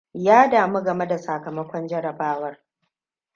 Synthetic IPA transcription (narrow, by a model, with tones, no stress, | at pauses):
jaː˦daː˨mo˦ɡɐ˨me˦da˨sa˨kɐ˨mɐ˦kʷɔ˦nd͡ʒɐ˦ɾɐ˨baː˦wɐ˦r